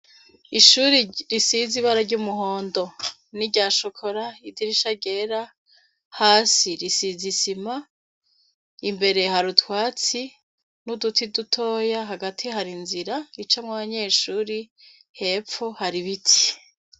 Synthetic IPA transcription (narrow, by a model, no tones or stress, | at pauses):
iʃuɾiɾisiziβaɾaɟuːmuɦo̞ːndo̞ | niɟaːʃokʰoɾaidiɾiʃaɟe̞ɾa | haːsiɾisizisima | imbe̞ɾe̞haɾutwaːt͡si | nudutʰidutʰo̞ːjaɦaɡatʰihaɾinziɾait͡ʃamŋwaβaɲe̞ːʃuːɾi | he̞ːpp͡ffohaɾiβitʰi̥